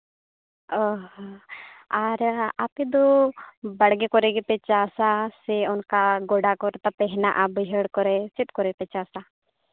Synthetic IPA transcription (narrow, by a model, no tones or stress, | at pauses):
ɔɦɔaɾapɛd̪ɔbəɽɡɛkɔɾɛɡɛpɛt͡ʃasasɛɔnkaɡɔɽakɔɾɛt̪apɛɦnaʔabəɦəɽkɔɾɛsit̪̚kɔɾɛpɛt͡ʃasa